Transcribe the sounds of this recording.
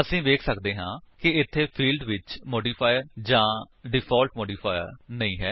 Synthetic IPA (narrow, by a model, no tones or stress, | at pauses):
əsĩːʋeːkʰsəkd̪eːɦãːkɪɪt̪ʰːeːpʰiːlɖʋɪt͡ʃmoːɖiːpʰaːjəɾd͡ʒãː | ɖɪpʰɔːlʈ̚moːɖiːpʰaːɪjə̰ɾnəĩːɦɛː